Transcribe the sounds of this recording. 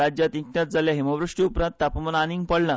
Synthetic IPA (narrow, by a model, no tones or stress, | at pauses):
ad͡ʑjat̪iknat̪̚d͡zaljaɦimaʋɾuʂʈiupɾãnt̪ːapəmənanĩŋɡ̚pəɽla